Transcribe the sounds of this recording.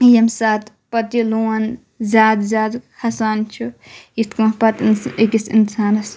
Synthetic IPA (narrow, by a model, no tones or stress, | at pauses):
jɐmsaːt̪ | pɐt̪jiluːɐn | zʲaːd̪zʲaːd̪hɐsaːnt͡ʃʰuit̪kumpɐt̪nikisḭnsaːnɐs